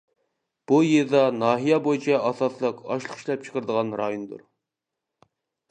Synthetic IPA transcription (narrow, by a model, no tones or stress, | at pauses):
b̥ujeɾd̪ɑnɑːɦijɛbojit͡ʃʰɛɑsɑslˠəqɑ̰ʃlˠəχi̥ʃlˠɛp̚t͡ʃʰə̥qʰəɾɨd̪əʁɑnɾɑjund̪ṵɾ